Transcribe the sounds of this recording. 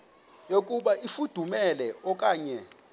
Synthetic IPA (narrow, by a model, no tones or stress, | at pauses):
jok̬ʼuɓaifud̥ʱumɛlɛɔkʼaːɲɛ